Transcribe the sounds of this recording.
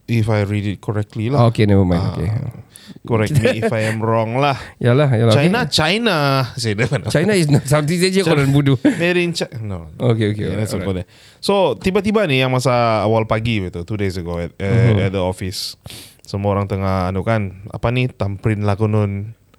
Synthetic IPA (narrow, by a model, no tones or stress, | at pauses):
ifajɹidit̚kʰɔɹɛk̚tlilaokenɛvəmãjnokḛ | kɔɾɛkniifajɛmrɔŋlahjalahjaat͡ʃajnat͡ʃajnasadəmant͡ʃajnais̬nasat̪isad͡ʒəkɔɾanbudumeɾint͡ʃanookeokeanasɔkɔdɛ | sot̪ibat̪ibanijaŋmasaːwalpaɡibit̪ut̪udesəɡoɛt̚ɛ̰t̚d̪əɔfis | səmuaoɾaŋt̪əŋahanukana̰panit̪ampɾinlakonʊn